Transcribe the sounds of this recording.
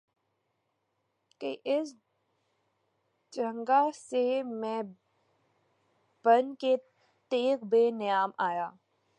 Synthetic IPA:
keʔɪs | d͡ʒə̃ŋɡasemɛ̃ː | b̥ənke | t̪eːkbeːnɪjaːmaːjaː

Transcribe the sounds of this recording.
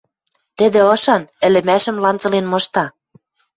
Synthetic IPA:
t̪ɘ̆d̪ĕɤ̆ʃɑnɘ̆lɘ̆mæʃə̆mlɑnt͡sɤ̆lenmɤ̆ʃt̪ɑ

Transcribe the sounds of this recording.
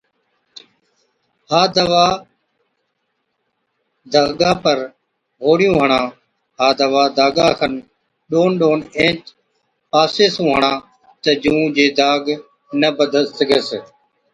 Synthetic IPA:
haːd̪əʋaː | d̪aːɡaːpəɾ | ɦoːɽjũːɦəɳãː | ɦaːd̪əʋaːd̪aːɡaːkʰən | ɗoːnɗoːnẽːt͡ʃ | paːseːsũːɦəɳãː | t̪əd͡ʒũːd͡ʒeːd̪aːɡ | nəbəd̪ʱət̪əɡəs

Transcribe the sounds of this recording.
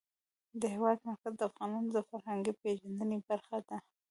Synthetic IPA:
d̪əhewɑd̪maɾkazd̪əafɣɑnɑnod̪əfaɾhaŋɡipeʒand̪ənebaɾxad̪a

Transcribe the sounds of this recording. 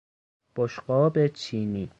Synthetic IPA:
b̥oʃɢɒːbet͡ʃʰiːniː

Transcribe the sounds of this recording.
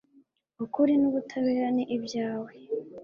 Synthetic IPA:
ukuɾinuβutʰaβeːɾaniʔibjaːwe

